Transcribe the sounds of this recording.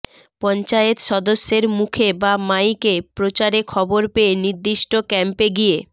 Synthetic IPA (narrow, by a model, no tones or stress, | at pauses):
pɔnt͡ɕajet̪ʃɔd̪oʃːeɾmukʰebamajkepɾot͡ɕaɾekʰɔboɾpeeniɾd̪iʃʈokɛmpeɡije